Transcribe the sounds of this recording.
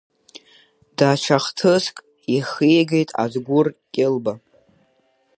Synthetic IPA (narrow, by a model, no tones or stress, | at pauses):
d̥at͡ʃʷʰaχtʰɨskʼ | iχijɡejtʼa̰zɡʷʊrkʲʼɪlba